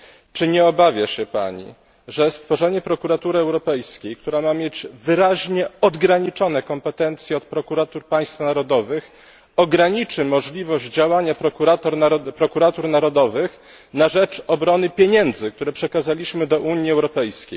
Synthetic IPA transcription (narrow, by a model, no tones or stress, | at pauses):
t͡ʂɘɲɛɔbavʲjaɕɛpa̰ɲḭ | ʐɛst̪fɔʐɛɲɛpɾɔkuɾat̪uɾɘɛwɾɔpɛjskʲejk̚t̪uɾamamʲjed͡ʑvɘɾaʑɲɛɔd̪ɡɾaɲit͡ʂɔn̪ɛkɔmpɛt̪ɛnt̪sʲjɛɔt̪̚pɾɔkuɾat̪uɾpaj̃st̪fnaɾɔd̪ɔvɘx | ɔɡɾaɲit͡ʂɘmɔʐlʲivɔʑd͡ʑawaɲapɾɔkuɾat̪ɔɾpɾɔkuɾat̪uɾnaɾɔd̪ɔvɘx | naʐɛt͡ʂɔbɾɔnɘpʲjeɲɛnd̪zɘk̚t̪uɾɛpʂɛkazalʲiɕmɘd̪ɔʔuɲjiɛwɾɔpɛjskʲḛj